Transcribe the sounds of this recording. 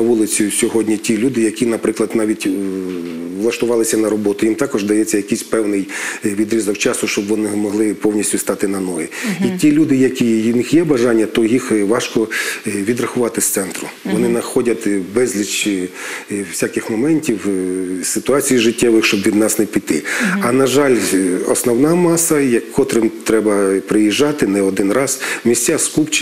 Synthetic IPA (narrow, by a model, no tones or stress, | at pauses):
ɐʋulˠɪt͡sʲisʲɔɦɔdʲnʲitʲilʲud̪ɪjɐkʲinɐpɾɪklˠɐd̪nɑʋʲitʲ | ʋlˠɐʃt̪ʊʋɑlˠɪsʲɐnɐɾɔbɔt̪ʊjimt̪ɑkɔʒd̪ɐjɛt͡sʲːɐjɐkijsʲpɛwnɪjʋʲid̪ɾʲizɔkt͡ʃɑsʊʃt͡ʃɔbʋɔnɪmɔɦlˠɪpɔwnʲisʲtʲʊst̪ɑt̪ɪnɐnɔjḭitʲilʲud̪ɪjɐkʲijnɪxjɛbɐʒɑnʲːɐt̪ɔjixʋɑʃkɔʋʲid̪rɐxʊʋɑt̪ɪst̪sɛnt̪ɾʊ | ʋɔnɪnɐxɔdʲɐt̪ʲbɛzʲlʲit͡ʃ | wsʲakɪxmɔmɛnʲtʲiwsɪt̪ʊɑt͡sʲijiʒɪtʲːɛʋɪxʃt͡ʃɔbʋʲid̪nɑsnɛpʲit̪ɪɐnɐʒɑlʲɔ̰snɔwnɑmɑsɐjɐkkɔt̪ɾɪmt̪ɾɛbɐpɾɪjiʒːɑt̪ɪnɛɔd̪ɪnrɑz̥mʲisʲt͡sʲaskupt͡ʃ